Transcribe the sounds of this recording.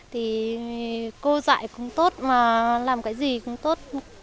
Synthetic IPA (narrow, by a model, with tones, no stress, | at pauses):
t̪ʰi˨˩ | ko˧za̰ː˧˨jkʊ̰˧˥ŋ͡mt̪o˦˥t̚maː˨˩laː˨˩mkaː˨˦jzi˨˩kʊ̰˧˥ŋ͡mt̪o˦˥t̚